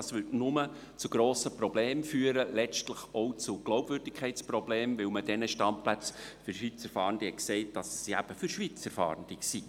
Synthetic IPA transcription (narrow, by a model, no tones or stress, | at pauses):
ɑsʋʏtnʊmə | t͡suɡ̥ɾoːsəprɔb̥leːmfyːəɾəlɛt͡ʃtləχɔʊt͡sʊɡ̥lɔʊb̥vʏɾdɪkʰχɛɪt͡sprɔbleːmvɪlmədɛnəʃtɑnplæt͡sfyɾʃʋit͡səɾfɑːɾndɪhɛkseɪt̚d̥ɑssiæb̥əfyɾʃʋiːt͡səɾfɑ̰ːɾənd̥ɪksi